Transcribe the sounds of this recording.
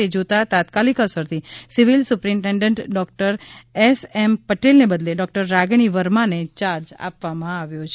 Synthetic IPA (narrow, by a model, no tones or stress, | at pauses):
ed͡ʒot̪at̪at̪kalikəsəɾt̪ʰisiʋilsʊpɾĩɳʈẽɳɖə̃ɳʈɖɔk̚ʈəɾesɛmpəʈelnebəd̪leɖɔk̚ʈəɾːaɡɳ̃iʋəɾmãnet͡ʃaɾd͡ʒa̰pʋamãaʋjot͡ʃʰe